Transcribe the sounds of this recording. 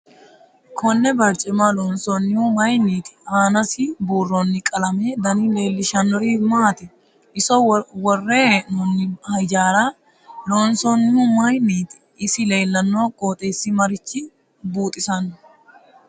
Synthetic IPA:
kʰɔnːɛbɐɾt͡ʃʼɪmalɔːnsɔnːɪʊmɐjnːiːt̪ɪ̥aːnɐsɪbuːrːonːɪkʼɐlɐmeːd̪ɐnɪle̞ːlːɪʃɐnːɔɾiːmaːt̪ɪ | ɪsɔwɔrːeːʔnɔnːɪhɐjd͡ʒaːɾa | loːnsɔnːɪumɐjnːiːt̪ɪ̥ | ɪsɪle̞ːlːɐnːoːkʼoːt̪ʼeːsːɪmɐɾɪt͡ʃːɪ | buːt̪ʼɪsɐn

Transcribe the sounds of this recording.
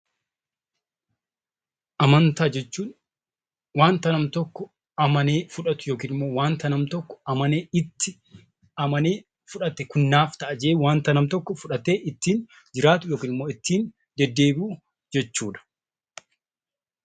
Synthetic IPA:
ʔɐmɐnt̪aːd͡ʒɛt͡ʃːuːn | waːnt̪ɐnɐmt̪ɔkːɔ | ɐmɐneːfʊᶑɐt̪ʊjo̞ːkiːnɪmːo̞ːwaːnt̪ɐnɐmt̪ɔkːɔ̥ɐmɐneːɪt̪ːɪ | ɐmɐneː | fʊᶑɐt̪ːɛkʊnːaːft̪ɐʔɐd͡ʒɛeːwaːnt̪ɐnɐmt̪ɔkːɔfʊᶑɐt̪ːeːʔɪt̪ːiːn | d͡ʒɪɾaːt̪ʊjoːkiːnɪmoːɪt̪ːiːn | d͡ʒɛd̪ːe̞ːbuː | d͡ʒɛt͡ʃːuːᶑɐ̥

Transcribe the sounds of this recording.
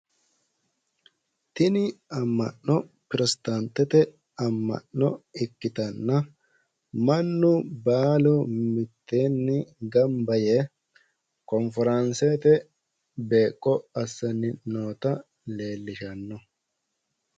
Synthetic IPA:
t̪ɪnɪɐmːɐ̰nːɔ | pɪɾɛst̪ɐnt̪ːɛt̪ɛ | ɐmːɐ̰ʔːɔɪkːɪt̪ɐnːɐ | mɐnːʊbaːlʊmɪt̪ːeːnːɪɡɐmbɐje | kɔnfɛɾɐnset̪ɛ | be̞ːkʼːɔɐsːɐnːɪno̞ːt̪ɐ | le̞ːlːɪʃɐnːɔ

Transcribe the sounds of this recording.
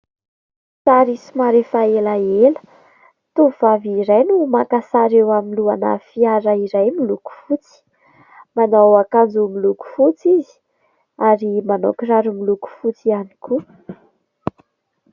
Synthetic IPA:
t͡saɾisimaɾefaelaelə̥ | t̪uv̥aviɾajnumakasaɾewaminluanə̰fiaɾəiɾajmiluku̥fut͡si̥ | manawakand͡zumiluku̥fut͡sizi̥ | aɾimanokiraɾumiluku̥fut͡sianiku

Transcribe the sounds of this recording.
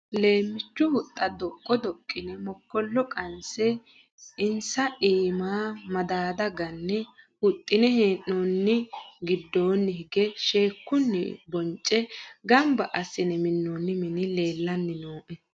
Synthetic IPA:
le̞ːmːɪt͡ʃːʊhʊt̪ʼːɐd̪ɔkʼːɔd̪ɔkʼːɪnɛmɔkːɔlːɔkʼɐnsɛ | ɪnsɐʔiːmaːmɐd̪aːd̪ɐɡɐnːɛhʊt̪ʼːɪnɛheːʔːɔnːɪɡɪd̪ːoːnːɪhɪɡɛʃeːkːʊnːɪ̰bɔnt͡ʃʼːɛɡɐmbɐʔɐsːɪnɛmɪnːonːɪmɪnɪle̞ːlːɐnːɪnoːʔɛ

